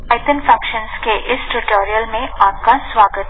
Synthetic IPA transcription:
aɪt̪ənfãkʃənskeʔɪsʈuʈoːɾijəlmẽaːp̚kasʋaːɡət̪

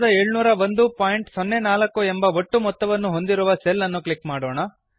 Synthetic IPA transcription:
d̪ɐeːɭunuːɾɐʋond̪upaːjiɳʈsonːenaːlɐkːuembɐʋoʈːumɔt̪ːɐʋɐnːuɦo̞nd̪iɾuʋɐselːɐnːuklikmaːɽoːɳɐ

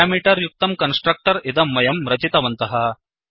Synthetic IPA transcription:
aːmiːʈɐɾjuk̚t̪ɐmkɐnsʈɾɐk̚ʈɐɾid̪ɐmːɐjɐmɾɐt͡ʃit̪ɐʋɐnt̪ɐɦɐ

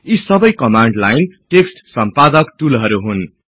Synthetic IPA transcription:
isʌbʌjkʌmaɳɖlajnʈeksʈsʌmpad̪ʌkʈulɦʌɾuɦun

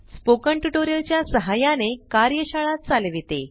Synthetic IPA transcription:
spokəɳʈuʈoɾijəlt͡ɕjasəɦajanekaɾjəɕaɭat̪̚t͡salʋit̪ḛ

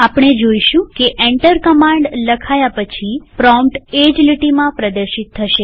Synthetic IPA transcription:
apɳ̃ed͡ʒoiʃũkeʔeɳʈəɾkəmãɳɖləkʰajapət͡ʃʰipɾɔmpʈed͡ʒliʈimãpɾəd̪əɾʃit̪ʰːəʃe

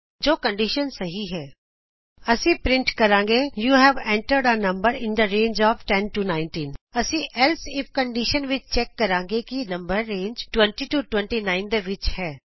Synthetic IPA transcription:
d͡ʒoːkəɳɖiʃənsəɦiːɦɛː | əsĩːpɾɪ̃ɳʈkəɾãːŋɡeːjuːɦɛːʋɛ̃ɳʈəɾɖənəmbəɾɪ̃nd̪əɾẽːnd͡ʒɔːfʈɛnʈuːnaːɪnʈiːnəsĩːʔɛlsɪp̚kəɳɖiʃənʋɪt͡ʃt͡ʃɛːkːəɾãːŋɡeːkinəmbəɾːẽːnd͡ʒʈwɛ̃ɳʈiːʈuːʈwɛ̃ɳʈiːnaːɪnd̪eːʋɪt͡ʃhɛː

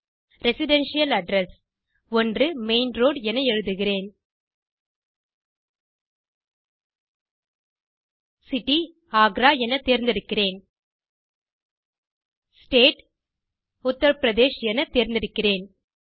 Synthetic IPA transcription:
ɾɛsɪɖɛnʂɪjɐlɐɖɾɛs | ɔndrɯmeɪnɾoːɖɛnɐɛɻɯðɯɣɪreːn | sɪʈːi | aːɡɾaːɛnɐt̪eːɾnd̪ɪɾɯkːɪreːn | sʈeːʈ | ʊt̪ːɐɾɐpɾɐðeːʃɛnɐt̪eːɾnd̪ɪɾɯkːɪreːn

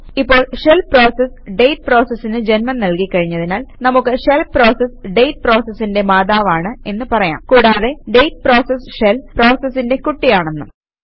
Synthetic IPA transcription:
ipːo̞ːɭʂelpro̞ːses | ɖe̞jʈ̚pro̞ːsɐsːinɨd͡ʑenmɐnnɐlkikːɐɻiɲːɐðinaːlnɐmukːɨʂelpro̞ːsesɖejʈ̚pro̞ːsesːinde̞maːd̪aːʋaːɳɨe̞nːɨpɐrɐja̰ːmkuːɽaːðe̞ɖe̞jt̚pro̞ːsesʂelpro̞ːsesːinde̞kuʈːijaːɳenːu

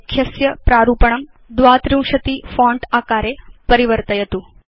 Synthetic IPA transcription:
kʰjɐsjɐpɾaːɾupəɳ̃ɐm | d̪ʋaːt̪ɾĩw̃ʃɐt̪iːfɔ̃ːɳɖaːkaːɾjepəɾiʋəɾt̪əjɐt̪uː

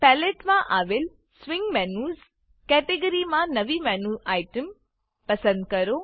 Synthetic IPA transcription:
pɛːleʈmãʔaːʋel | sʋɪ̃ŋɡmɛːnuːz | kɛːʈeɡəɾimãnɐʋimɛːnuːaːjʈəm | pɐsə̃nd̪̚kɐɾoː

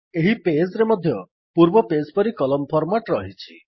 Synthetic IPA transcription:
eɦipesɾemɔd̪ʱjɔ | puɾbɔpespɔɾikɔlɔmpʰɔɾmaʈɾɔɦit͡ʃʰi

